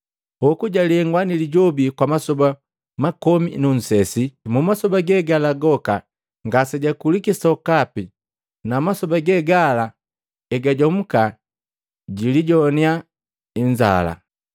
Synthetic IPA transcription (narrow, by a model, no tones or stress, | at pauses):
ɔkuɟaliɛŋɡwaniliɟɔbikwamasɔba | makɔmḭnun̩sɛsimumasɔbaɡɛɡalaɡɔka̰ | ŋɡasɛɟakulikisɔkapi | namasɔbaɡɛɡala | ɛɡaɟɔm̩ka | ɟiliɟɔnia | iɲd͡ʒa̰la̰